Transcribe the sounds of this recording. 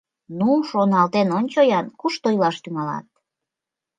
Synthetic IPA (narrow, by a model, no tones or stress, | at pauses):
nuʃonɑlt̪enonʲt͡ɕojɑnkuʃt̪ojlɑʃt̪yŋɑlɑ̰t̪̚